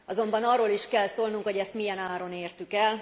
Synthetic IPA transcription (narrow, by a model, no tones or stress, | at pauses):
ɒzo̞mbɒnɒrːoːliʃkɛlsoːlnuŋkho̞ɟɛst̪mijɛnaːɾo̞neːrt̪ykɛl